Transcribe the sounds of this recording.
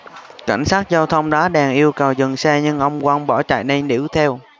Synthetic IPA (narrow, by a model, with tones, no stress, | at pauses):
ka̰˧˩jŋ̟saː˦˥t̚zaː˧wt̪ʰə˧wŋ͡mɗaː˨˦ɗɛ˨˩ŋʔi˧əwkə˨˩wzɨ˨˩ŋsɛ˧ɲɨ˧ŋʔə˧wŋ͡mkwa˧ŋɓɔ˧˩t͡ɕa̰ː˧˨jnə˧jnḭ˧˥wt̪ʰɛ˧w